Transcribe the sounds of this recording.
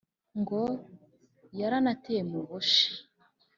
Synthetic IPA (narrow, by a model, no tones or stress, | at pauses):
ŋɡo | jaɾanatemuβoʃi̥